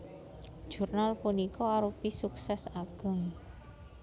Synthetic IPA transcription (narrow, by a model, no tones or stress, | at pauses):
ʒ̥urnalpunikɔaɾupisuksɛsaɡ̥ə̤ŋ